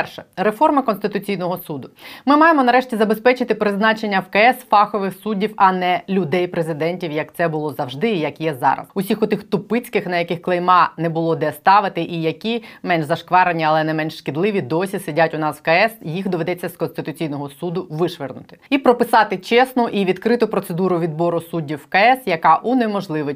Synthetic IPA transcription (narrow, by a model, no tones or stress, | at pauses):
pɛrʃɛrefɔrmɐkɔnst̪ɪt̪ʊt͡sʲijnɔɦɔsud̪ʊmɪmɑjemɔnɐɾɛʃtʲizɐbespɛt͡ʃɪt̪ɪpɾɪznɑt͡ʃenʲːɐfkɐɛsfɑxɔʋɪxsudʲːiwɐnɛlʲʊd̪ɛjpɾezɪd̪ɛnʲtʲiwjɐk̚t̪sɛbʊlˠɔzɐwʒd̪ɪijɐkjɛzɑ̰ɾɐ̰sʊsʲixʊt̪ɪxt̪ʊpɪt͡sʲkɪxnɐjɐkɪxklˠejmɑnɛbʊlˠɔd̪ɛst̪ɑʋɪt̪ɪʔijɐkʲimɛnʒzɐʃkʋɑɾenʲiɐlˠɛnɛmɛnʃʃkɪd̪lˠɪʋʲid̪ɔsʲisɪdʲatʲʊnɑswkɐɛsjixd̪ɔʋe̞d̪ɛt͡sʲːɐskɔnst̪ɪt̪ʊt͡sʲijnɔɦɔsud̪ʊʋɪʃʋɪrnʊ̰t̪ɪ̥ipɾɔpɪsɑt̪ɪt͡ʃɛsnʊʔiʋʲid̪kɾɪt̪ʊpɾɔt̪sed̪uɾʊʋʲid̪bɔɾʊsudʲːiwkɐɛsjɐkɑʔunɛmɔʒlˠɪʋɪ